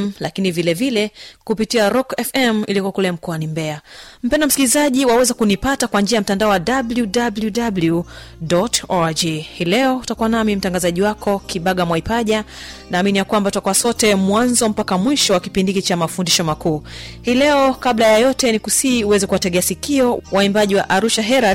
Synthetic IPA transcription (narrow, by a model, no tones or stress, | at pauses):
mlakinivilɛvilɛkupitiaɾɔkɛfɛmilikuakulɛm̩kɔanimbɛam̩pɛndam̩skilizaʄiwawɛzakunipatakwand͡ʒiajam̩tandaɔwadabljudabljudablju | dɔtɔad͡ʒihiːlɛɔutakuwanamim̩taŋɡazaʄiwakʰɔkiɓaɠamwaipaʄa | naːminijakwambatutakuwasɔtɛmwanzɔm̩pakamwiʃɔwakipindikit͡ʃamafundiʃɔmakuːhiːlɛɔkablajajɔtɛnikusiuwɛzɛkuwatɛɠɛasikiɔwaimbaʄiwa̰ʔaɾuʃaɦɛɾa